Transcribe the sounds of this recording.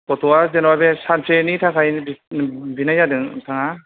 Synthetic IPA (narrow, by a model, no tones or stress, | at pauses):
kɔtʰɔazenwabesanpʰenitʰakʰajbbinajadɯŋtʰaŋa